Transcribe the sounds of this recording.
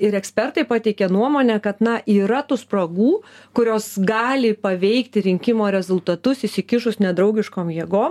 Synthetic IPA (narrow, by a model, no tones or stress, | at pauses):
ɪɾɛksʲpʲɛrt̪ɐɪpɑːt̪ʲɛɪkʲɛnuɔmoːnʲɛkɐt̪nɐʔiːɾɐt̪uːspɾɐɡuːkʊɾʲoːsɡɑːlʲɪpɐʋʲɛɪkt̪ʲɪɾʲɪŋʲkʲɪmoːɾʲɛzʊlˠt̪ɐt̪ʊsɪsʲɪkʲɪʃʊsnʲɛd̪ɾɐʊɡʲɪʃkoːmjiɛɡoːm